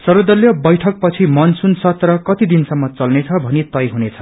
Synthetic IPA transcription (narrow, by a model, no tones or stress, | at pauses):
sʌɾod̪ʌljʌbʌjʈʰʌk̚pʌt͡sʰimʌnsunsʌt̪rʌkʌt̪id̪insʌmːʌt͡sʌlnet͡sʰʌbʱʌnit̪ʌjɦunet͡sʰʌ̥